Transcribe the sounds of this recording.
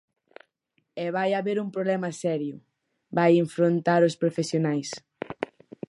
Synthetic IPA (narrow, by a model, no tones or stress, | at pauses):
ɛβajaβeɾumpɾoβlɛmɐsɛɾjʊ | bajeɱfɾont̪aɾospɾofesjonajs